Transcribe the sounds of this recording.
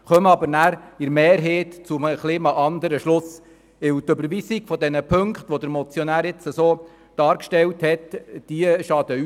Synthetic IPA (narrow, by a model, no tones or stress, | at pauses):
χœmɑbəɾnæːɾɪɾmeːɾɦeːtt͡sʊməχliːmɑʔɑnd̪əɾəʃlʊs | ɪwt̪øbəɾʋisiɡ̥fɔd̪ɛnəpʰøŋkχt̪ʋɔd̪əɾmɔt͡sjɔnæːɾɪt͡səsoː | d̥ɑːɾkʃtɛlthɛtd̥iəʃɑd̥̪ə